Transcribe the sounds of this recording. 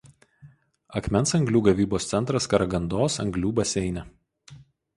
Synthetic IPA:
ɐkmʲɛnˑsɐŋɡlʲuːɡɐʋʲiːboːst̪sʲɛnt̪ɾɐskɐɾɐɡɐnd̪oːsɐ̰ŋɡlʲuːbɐsʲɛɪnʲɛ

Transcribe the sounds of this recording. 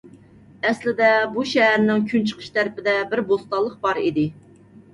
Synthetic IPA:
ɛslɪd̪ɛbuʃɛɦæɾnɪŋkʲʰynt͡ʃʰə̥qʰə̥ʃt̪ʰæɾpɪd̪ɛbɪɾbost̪ɑlˠːəq̚bɑɾid̪ɪ

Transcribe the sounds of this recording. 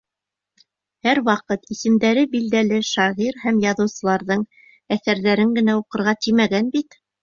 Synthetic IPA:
hæɾwɑqɤt̪isɘ̆md̪æɾɘbild̪ælɘʃɑʁiɾhæmjɑðɤ̆wsɤ̆lˠɑɾðɤɴ | æθæɾðæɾɘŋɡɘ̆næuqɤ̆ɾʁɑt̪imæɡænbit̪

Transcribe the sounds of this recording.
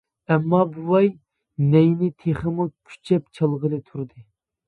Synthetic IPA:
ɛmːɑbuwɑj | nɛjnɪt̪ʰeχəmukʲʰy̥t͡ʃʰɛpt͡ʃʰɑlˠʁəlˠɨt̪ʰuɾd̪ɨ

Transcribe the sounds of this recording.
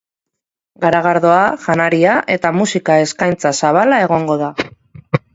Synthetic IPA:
ɡaɾaɣ̞aɾðo̞aʝanaɾiaʔe̞t̪amusikae̞skajnt͡sasaβ̞alae̞ɣ̞o̞ŋɡo̞ð̞a

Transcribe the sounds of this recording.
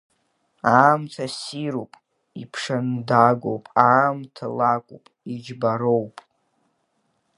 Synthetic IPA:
aːmtʰasiɾopʼ | ipʰʂandaɡʷo̰wpʼaːmtʰalakʷʼupʼid͡ʒbaɾowpʼ

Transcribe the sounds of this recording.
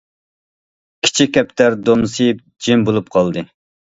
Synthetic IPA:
kʲʰi̥t͡ʃʰikʲːɛp̚t̪ʰæɾd̪omsɨp̚ | d͡ʒimbolˠup̚qʰɑlˠd̪ɨ

